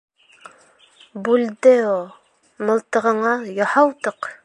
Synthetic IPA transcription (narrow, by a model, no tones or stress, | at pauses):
bʉld̪ɘu | mɤ̆lˠt̪ɤ̆ʁɤ̆ɴɑjɑhɑwt̪ɤq